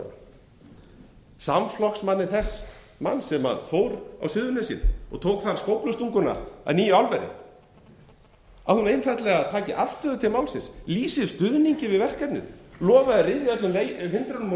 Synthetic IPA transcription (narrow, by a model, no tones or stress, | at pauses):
samflɔksmanːɪθɛs | ma̰nːsɛma̰nfoːwɾa̰wsʏðʏnasjɪ̰nɔ̰ɣt̪ʰowkθaɾ̥skowplʏst̪uŋkʏnːa̰a̰ðniːjʏawlvɛɾɪ̰ | ahunejmfɛt̪lɛɣaðt̪ʰaːcɪʔafst̪œːðʏt̪ʰɪlmaːwlsɪnsliːsɪ̥st̪ʏðniɲcɪvɪðvɛr̥kap̪nɪ̰ðlɔːvaðɪɾɪðɪœt̪lʏmlehʏnt̪ɾanʏm